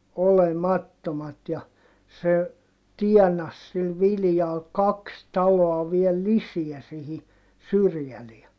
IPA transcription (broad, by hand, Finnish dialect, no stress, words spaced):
olemɑtːomɑt jɑ se tiɛnɑs sil ʋiljɑl kɑks tɑloɑ ʋiel lisiæ sihi syrjæleæ